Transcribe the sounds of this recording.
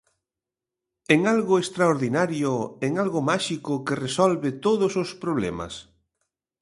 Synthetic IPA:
eŋalɣʊest̪ɾaoɾðinaɾjʊeŋalɣomaʃikʊkeresɔlβɪt̪oðʊsospɾoβ̞lɛ̰mɐ̰s

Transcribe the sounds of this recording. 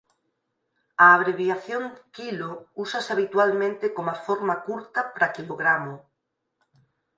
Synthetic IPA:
aːβ̞ɾeβjaθjoŋkilousaseaβ̞it̪walmẽnt̪ekomafoɾmakuɾt̪apɾakiloɣɾamo

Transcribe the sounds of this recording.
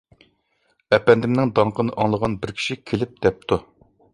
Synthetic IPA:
ɛpɛnd̪ɪmnɪŋd̪ɑɴqʰənɨʔɑŋlˠəʁɑnbɪɾkʲʰi̥ʃikʲʰelɪp̚d̪̥ɛp̚t̪ʰu

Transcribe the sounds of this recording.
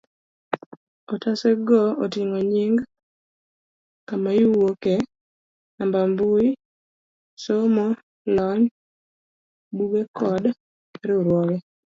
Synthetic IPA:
ɔtasɛɡɔotɪŋoɲiŋɡ | kamajiwoke | ambambʊi | somɔ | lɔɲ | buɡekɔd | ɾeuɾwɔwɛ

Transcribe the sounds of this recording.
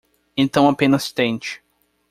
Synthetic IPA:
ẽnt̪ɐ̃w̃apẽnɐst̪ẽnt͡ʃɪ̥

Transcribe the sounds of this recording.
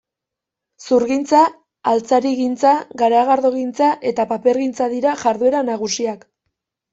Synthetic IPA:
suɾɣint͡saː | lt͡saɾiɣint͡saɣaɾeaɣaɾðoɣint͡saʔe̞t̪apape̞ɾɣint͡saðiɾaʝaɾðue̞ɾanaɣ̞usiak

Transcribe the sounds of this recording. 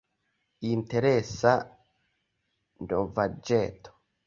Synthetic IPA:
inteɾesa | ndovad͡ʒeːt̪o̥

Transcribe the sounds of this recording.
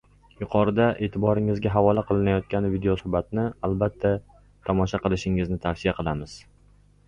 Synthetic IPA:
jʊqʰɒɾɪd̪aʔe̞ːt̪ʰɪbɒɾɪŋɪzɡʲaɦavɒlˠaqʰɨlˠɪnajɒt̪̚kʲanvid̪eosʊhbat̪nɪalˠbat̪ʰːa | t̪ʰɒmɒʃaqɨlˠɪʃɪŋɪznɪt̪ʰaɾsɪjaqʰɨlˠamɪz̥

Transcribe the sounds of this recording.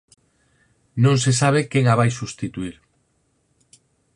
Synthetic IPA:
nõŋsesaβ̞ekeŋaβajsust̪it̪uiɾ

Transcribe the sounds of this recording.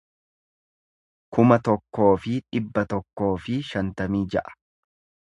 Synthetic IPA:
kʊmɐt̪ɔkːo̞ːfɪᶑɪbːɐt̪ɔkːo̞ːfɪʃɐnt̪ɐmiːd͡ʒɐʔɐ̥

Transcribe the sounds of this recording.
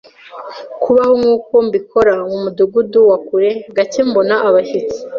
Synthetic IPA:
kʰuβaho̞ŋuːko̞mbikʰo̞ɾaŋɡumuduɡuduwakuɾe̞ɡacembo̞naʔaβaʃit͡si̥

